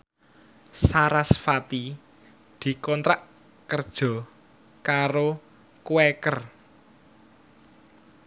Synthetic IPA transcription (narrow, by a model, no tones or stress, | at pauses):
saɾasfat̪i | d̪̥i̤kɔnt̪ɾaʔ | kərd̥ʒ̥ɔ̤ | kaɾo | kuwekər